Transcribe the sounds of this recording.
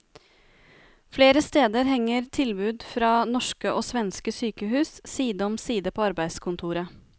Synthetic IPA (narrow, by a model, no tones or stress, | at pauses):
fleːɾəst̪eːd̪əɾɦɛŋəɾt̪ʰɪlbʉːd̪fɾɑːnɔʂkəʔoːsʋɛnskəsyːkəhʉːssiːd̪əɔmsiːd̪əpʰoːɑɾbæɪd̪skʰʊnt̪ʰuːɾə